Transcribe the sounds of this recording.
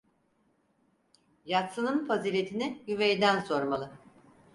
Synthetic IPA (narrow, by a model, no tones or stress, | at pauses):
jat̪sɯnɯnfaziːɾʲet̪ʰinijyvejd̪ænso̞ɾmalˠɯ